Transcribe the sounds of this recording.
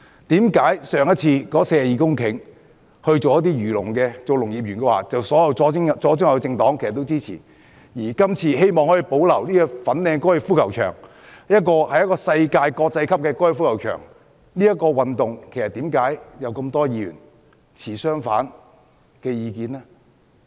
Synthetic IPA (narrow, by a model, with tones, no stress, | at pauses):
t̪iː˨˥mkaː˨˥jsœː˨˧ŋjɐ˥t̚t͡sʰiː˧kɔː˨˥seː˧jɐ˨jiː˨˧kʊ˥ŋkʰɪ˨˥ŋ | hɵ˧ɥt͡so˨wjɐ˥t̪̬iː˥ɥyː˨˩lʊ̰˨˩ŋkɛː˧t͡so˨˧wlʊ˨˩ŋjiː˨p̚jyː˨˩nkɛː˧wa̰ː˨˩t͡sɐ˨wsɔː˨˥jɐ˨˧wɔː˨˥ŋ˨t͡sɔː˨˥t͡sʊ˥ŋjɐ˨˧t͡sɪ˧ŋt̪ɔː˨˥ŋkʰe˨˩sɐ˨t̪ːwt͡siː˥t͡sʰḭː˨˩ | jiː˨˩kɐ˥mt͡sʰiː˧he˥jmɔː˨ŋhɔ˨˥ji˨˩po˨˥wlɐ˨˩wniː˥kɔ˧fɐ˨˥nlɛː˨˧ŋkɔː˥jɪ˧fuː˥kʰɐ˨˩wt͡ʃʰœ̰ː˨˩ŋ | jɐ˥t̚kɔː˧hɐ˨jɐ˥tkɔː˧sɐ˧jkaː˧jkɔː˧k̚t͡sɐ˧jkʰɐ˥p̚kɛː˧kɔː˥jɪ˧fuː˥kɐ˨˩wt͡ʃʰœ̰ː˨˩ŋ | niː˥jɐ˥t̚kːɔː˧wɐ˨nt̪ʊ˨ŋkʰe˨˩jsɐ˨t̪iː˨˥mkaː˨˥jjɐ˨˧wkɐ˧mt̪ɔː˥jiː˧ɥy̰ː˨˩n | t͡sʰiː˨˩sœː˥ŋfa̰ː˨˥n | kɛː˧jiː˧kiː˧nlɛ˥